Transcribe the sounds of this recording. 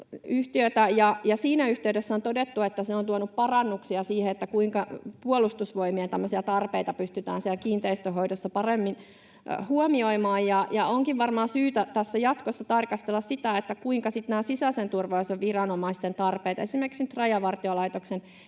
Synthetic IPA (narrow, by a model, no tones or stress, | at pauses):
yht̪iøt̪æjɑjɑsiːnæyht̪eydesːæont̪odet̪ːuet̪ːæseont̪uonuppɑrɑnːuksiɑsiːheet̪ːækuiŋkɑpuolust̪usʋoimiɑt̪æmːøsiɑt̪ɑrpeit̪ɑpyst̪yt̪æ̰ːnsiælkiːnt̪eist̪øɦoidosːɑpɑremːin | huomioimɑːjjɑjɑoŋkiʋʋɑrmɑːsyːt̪æt̪æsːæjɑt̪kosːɑt̪ɑrkɑst̪elːɑssit̪æet̪ːækuiŋkɑsit̪næːsisæsent̪urʋɑusoʋʋirɑnomɑist̪ent̪ɑrpeit̪ɑesimerkiksnyt̪rɑjɑʋɑrt̪iolɑijt̪oksen